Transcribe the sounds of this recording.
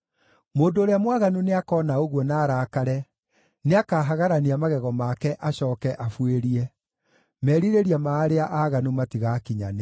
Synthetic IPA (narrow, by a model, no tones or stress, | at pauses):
moːndoːɾeamwaɣanuneakɔːnaoɣwɔnaːɾaːkaɾɛ | neakaːɦaɣaɾaniamaɣɛɣɔmakɛʔaɕɔːkɛʔafweɾiɛ | mɛːɾiɾeɾiamaːɾeaʔaɣanumatiɣakiɲa̰ne